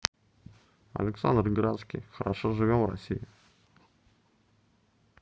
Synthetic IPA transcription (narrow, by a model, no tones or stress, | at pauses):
ɐ̰lʲɪksa̰nd̪rɡɾat̪skʲijxəɾʔaʂoʐɨvʲomvrɐsʲijɪ